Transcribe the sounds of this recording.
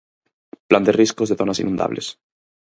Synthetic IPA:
pland̪eriskozðeθo̞nasḭnũnd̪a̰βle̞̰s

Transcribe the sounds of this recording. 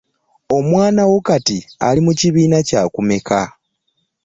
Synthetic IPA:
o̞mwaːnawokatia̰limuciβiːnacaːkume̞kʰa

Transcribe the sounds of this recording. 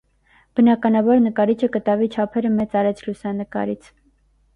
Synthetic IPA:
b̥ənɑkɑnɑbɑɾnəkɑɾit͡ʃʰəkət̪ɑvit͡ʃʰɑpʰɛɾəmɛt͡sɑɾɛt͡sʰlusɑnəkɑ̰ɾit͡sʰ

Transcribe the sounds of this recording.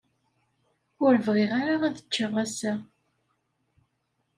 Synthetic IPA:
ʊɾəvʁɪʁaɾaæðə̥t͡ʃːəʁːæsæ

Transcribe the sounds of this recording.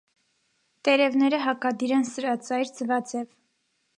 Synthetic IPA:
t̪ɛɾɛvnɛɾəɦɑkɑd̪iɾɛnsəɾɑt͡sɑjɾt͡səvɑt͡sɛv

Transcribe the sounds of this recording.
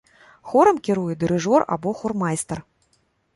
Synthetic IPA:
xɔɾɐmkʲiɾujɛd̪ɨɾɨʐɔra̰bɔxɔrmajst̪ɐr

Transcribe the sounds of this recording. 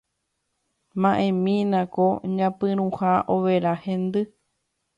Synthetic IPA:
mãʔẽmĩnãkoɲãpɨ̃ɾ̃ũhaʔoʋeɾahẽnd̪ɨ

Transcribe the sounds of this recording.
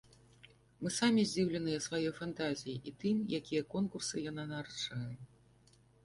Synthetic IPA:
mɨsamʲizʲd͡zʲiwlʲɐnɨjɛsvajɔjfant̪azʲijiʔit̪ɨmjakʲijɐkɔnkursɨjan̪anaɾt͡ʂajɛ

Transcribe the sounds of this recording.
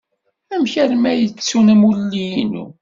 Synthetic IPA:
æmçæɾmæjət͡sːunəmulːijinṵ

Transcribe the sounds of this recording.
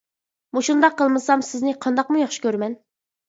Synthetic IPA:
muʃund̪ɑqːəlˠmɨsɑmsɪznɪqʰɑnd̪ɑqmujɑχʃi̥kʲøɾmɛn

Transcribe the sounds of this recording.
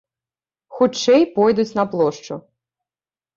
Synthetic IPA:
xut͡ʂɛjpɔjd̪ut͡sʲnɐplˠɔʂt͡ʂʊ

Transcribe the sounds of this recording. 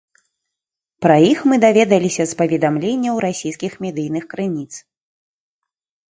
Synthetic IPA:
pɾɐjixmɨd̪avʲɛd̪ɐlʲisʲɐspɐvʲɛd̪amlʲenʲːɐwɾasʲijskʲixmʲɛd̪ɨjnɨxkɾɨnʲit̪s

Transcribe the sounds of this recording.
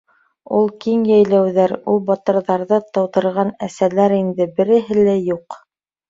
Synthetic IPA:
ulˠkiŋjæjlæwðæɾulˠbɑt̪ɤ̆ɾðɑɾðɤt̪ɤ̆wt̪ɤ̆ɾʁɑnæsælæɾind̪ɘbɘ̆ɾɘ̆ɦɘlæjuq

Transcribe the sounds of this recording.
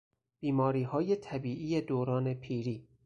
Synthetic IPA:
b̥iːmɒːɾiːɦɒːjet̪ʰæbiːʔiːjed̪oːɾɒːne̞pʰiːɾiː

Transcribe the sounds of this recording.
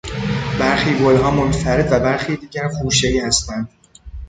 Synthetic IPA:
b̥æɾxiːbolɦɒːmonfæɾet̪d̪væbæɾxiːd̪iːɟæɾχuːʃeiːhæst̪ænd̪̥

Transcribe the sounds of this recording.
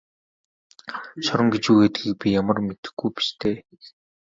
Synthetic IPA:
ɕɔɾə̆ŋɡet͡ɕuɣeːt̪ɡiːk̚pʲijamə̆rmet̪ɘ̥̆xɡujpi̥ʃt̪ʰeː

